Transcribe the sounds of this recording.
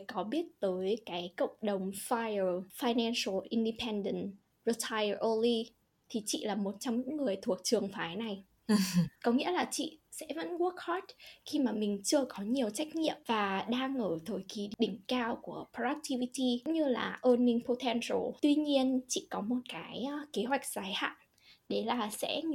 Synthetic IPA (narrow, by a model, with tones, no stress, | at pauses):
kɔ˨˦ɓi˦˥ət̚t̪əː˨˦jkaː˨˦jkə̰˧˨wŋ͡mɗə˨˩wŋ͡mfa˧jə˨˩faː˧jnɛ˧nsə˧lʔi˧nɗi˧pʰɛ˧nɗə˧˨n | ɹi˧tʰa˧jə˨˩ʔo˧li˧ | t̪ʰi˨˩t͡ɕḭ˧˨laː˨˩mo˨˩t̚t͡ɕɔ˧wŋ͡mɲɨ̰˧˥ŋːɨ˨˩əjt̪ʰu˨˩ək̚t͡ɕɨ˨˩əŋfaː˨˦jna˨˩j | kɔ˨˦ŋḭ˧˥əlaː˨˩t͡ɕḭ˧˨sɛ̰˧˥və̰˧˥nwu˦˥ək̚ha˦˥t̚xi˧maː˨˩mï˨˩ŋ̟t͡ɕɨ˧əkɔ˨˦ɲi˨˩əwt͡ɕa˦˥jk̟̚ɲḭ˧˨əmvaː˨˩ɗaː˧ŋʔəː˧˩t̪ʰo˧˩jki˨˦ɗï˧˩ŋ̟kaː˧wku˧˩əpʰo˧ʔa˦˥k̚tʰi˧vi˧ti˧ŋ͡mɲɨ˧la̰ː˨˩ʔəː˧nːï˧ŋpʰo˧t̪ʰɛ˧nsə˧lt̪wi˧ɲi˧ənt͡ɕḭ˧˨kɔ˨˦mo˨˩t̚kaː˨˦jke˨˦ɦwa˨˩jk̟̚z̥aː˨˦jha̰ː˧˨n | ɗe˧˩laː˨˩sɛ̰˧˥